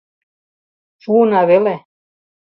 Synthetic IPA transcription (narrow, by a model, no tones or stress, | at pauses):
ʃuɤnɑβele